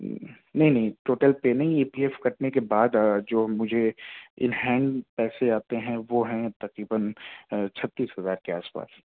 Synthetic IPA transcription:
nɐɦĩnɐɦĩʈoːʈəlpenɐɦĩeːpiɛfkɐʈnekebaːd̪d͡ʒoːmʊd͡ʒʱeɪ̰nɦɛ̃ːɳɖpɛːseaːt̪eɦɛ̃ʋoɦɛ̃t̪ɐqɾiːbənt͡ʃʰɐt̪ːiːsɦɐzaːɾkeaːspa̰ːs

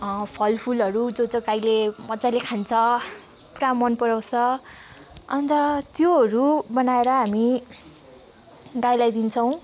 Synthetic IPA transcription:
pʰʌlpʰulʌɾud͡zod͡zʌɡajlemʌd͡zalekʰant͡sʰʌ | pramːʌnpʌɾaw̃t͡sʰʌ | ʌ̰nt̪ʌt̪joɦʌɾubʌnaeɾʌɦami | ɡajlajd̪int͡sʰʌw̃

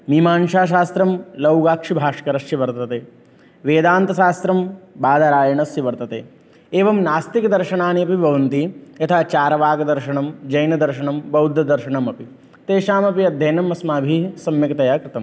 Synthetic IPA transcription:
miːmaːnʃaːʃ̬aːst̪ɾɐmlɐwɡaːkʂibʱaːʂkɐɾɐsjɐʋɐɾt̪ɐt̪eː | ʋeːd̪aːnt̪ɐʃaːst̪ɾɐmbaːd̪ɐɾaːjɐɳɐsjɐʋɐɾt̪ɐt̪ḛː | eːʋɐmnaːst̪ikɐd̪ɐɾʃɐɳaːniɐpibʱɐʋɐnt̪ijɐt̪ʰaːt͡ʃaːɾɐʋaːɡɐd̪ɐɾʃɐɳɐmd͡ʒɐjnɐd̪ɐɾʃɐɳɐmbɐwd̪ʱːɐd̪ɐɾʃɐɳɐmɐpi | t̪eːʃaːmɐpiɐd̪ʱjɐjnɐmɐsmaːbʱisɐmjɐkɐt̪ɐjaːkɾɪt̪ɐm

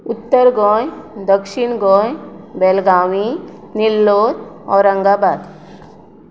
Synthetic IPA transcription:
ut̪ːəɾɡɔ̃jd̪əkʃiɳɡɔ̃jbelɡaʋinilːod̪ɔɾə̃ŋɡabad̪

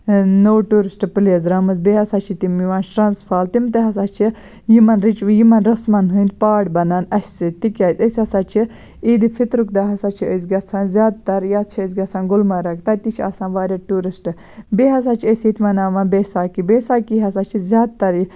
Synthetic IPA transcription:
nowʈuːɾisʈɨpɨleːzɾɐmɨzbeːɦɐsaːt͡ʃʰit̪imiʋaːnʈɾanspʰaːlt̪imt̪eɦɐs̬aːt͡ʃʰi | jimɐnɾit͡ʃjimɐnɾɐsmɐnɦɨnt̪paːɖbɐnanɐsʲsɨt̪ːikʲaːt͡sʲəsʲɐsaːt͡ʃʰi | iːd̪ifʰit̪ɾuk̚d̪aɦɐsaːt͡ʃʰiəs̬ɡɐt͡sʰaːnzʲjaːd̪̚t̪ɐɾjaːt̪t͡ʃʰiəsɡɐt͡sʰaːnɡʊlmɐɾɐk̚t̪ɐt̪it͡ʃʰiɐ̰saːnʋaːɾʲaʈuːɾisʈɨ | beːɦɐs̬aːt͡ʃʰiəsʲit̪ʰʲmɐnaːʋanbeːsaːkibeːsaːkiɦɐs̬aːt͡ʃʰizʲjaːd̪̚t̪ɐɾi

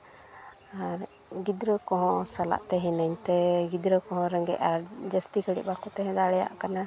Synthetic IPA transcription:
aɾ | ɡid̪ɾəkɔɦɔ̃sala̰ʔt̪ɛɦinaɲt̪ɛɡid̪ɾəkɔɦɔ̃ɾəŋɡɛ̰ʔaɾd͡ʒəst̪ikəɽḭʔ̚bakut̪ɛɦɛ̃d̪aɽɛja̰ʔkana

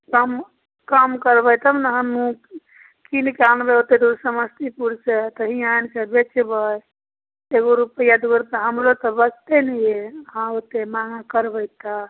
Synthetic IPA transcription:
kəm | kəmkəɾbəjt̪əmnəɦəmũ | kinkanbeot̪ːed̪uɾsəməst̪ʰipuɾset̪əɦiajnkebet͡ʃbəj | eɡoɾupəjad̪uɡəɾpeɦəmɾot̪əbəst̪enəjeɦãot̪emaŋakəɾbəjt̪a

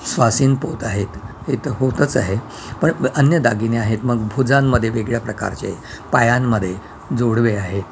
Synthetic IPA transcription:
sʋasiːnpot̪aɦet̪het̪əɦot̪ət͡saɦe | pəɳənjəd̪aɡineaɦet̪məɡbʱud͡zãmːəd̪ʱːjeʋeɡɭjapɾəka̰ɾt͡ɕḛpajamːəd̪ʱːje | d͡zoɽʋeaɦe

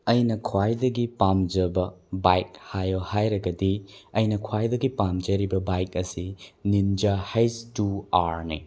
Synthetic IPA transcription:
ɐjnɐkʰwajdɐɡipamd͡ʒɐbɐbajk̚hajohajɾɐɡɐdiɐjnɐkʰwajdɐɡipamd͡ʒɐɾibɐbajkɐsinind͡ʒahɐjstuaɾnḭ

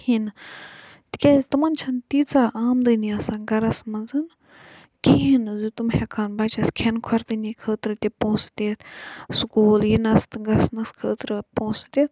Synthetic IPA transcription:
hin | t̪i̥kʲezit̪ɨmɐnt͡ʃʰɐnt̪it͡saːʔaːmd̪ɨniasaɡɐɾɐsmɐnzɨn | kiɦinzut̪umhekʰanbɐt͡ʃɐskʰenkʰɐɾt̪ɨnikʰəːt̪ɾɨt̪ʲipõːsd̪eːt̪ʰsukuːljinɐst̪ɨɡɐsnɐskʰəːt̪ɾɨpõːsd̪eːt̪̚

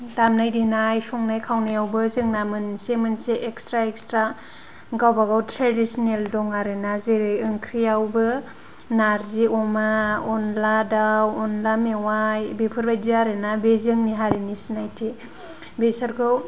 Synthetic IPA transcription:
damnajdinajsɔŋnajkʰawnajawbɯzɯŋnamɯnsemɯnseʔekstɾaek̚stɾa | ɡawbaɡawtʰɾadisɔneldɔŋaɾenazeɾɯŋkʰɾijawbɯ | naɾziɔmaɔnladawɔnlamewajbepʰɯɾbajdiaɾenabezɯŋniɦaɾinisinajtʰi | besaɾkʰɯw

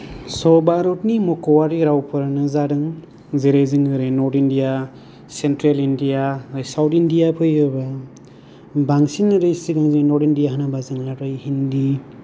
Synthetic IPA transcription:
sɔɾbaɾɔtnimɔkɔwaɾiɾawpʰɯɾanɯzaɾɯŋ | zeɾeziŋɯɾenɔɾtindija | sentɾelindijaajsawtindijapʰɯjɯba | baŋsinɯɾɯjsiɡaŋzinɔɾtindijaɦanabazɯŋlaɾɯjhindi

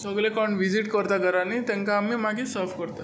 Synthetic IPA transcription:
səɡlekɔɳɖʋid͡ʑiʈkəɾt̪aɡəɾanit̪ɛ̃ŋkaːmiːmaɡisəɾfkəɾt̪a

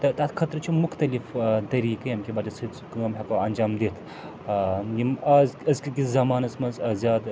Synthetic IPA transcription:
t̪ɐt̪ɐt̪kʰɐt̪ɾt͡ʃʰimʊxt̪ɐlift̪ɐɾiːkɐjɐmkʲibaːd͡ʒɐsɨt͡skɐmɦɐkɐwɐnʲd͡ʒaːmd̪eːt̪ʰ | jimɐzɐzkikizɐmaːnɐsmɐnzɐzʲjaːd̪

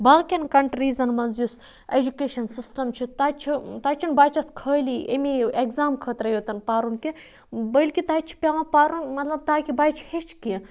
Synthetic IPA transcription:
baːɣkʲɐnkɐɳʈɾiːzɐnmɐnzjus | ed͡ʒukeːʃɐnsisʈɐmt͡ʃʰit̪aːt͡ʃʰit̪aːt͡ʃʰinbaːt͡ʃʰɐskʰəːliḛmieɡzaːmkʰəːt̪ɾɐjoːt̪ɐnpaːɾunki | bəilʲkit̪aːt͡ʃʰi̥pʲjaːʋãpaːɾunmɐt̪lɐb̚t̪aːkʲibaːjt͡ʃʰhet͡ʃʰkĩ

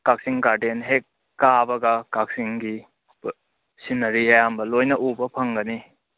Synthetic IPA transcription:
kak̚siŋkaɾdenɦek̚ː | abɐɡɐkak̚siŋɡi | sinɐɾiɐjambɐlojnɐʔubɐpʰɐŋɡɐni

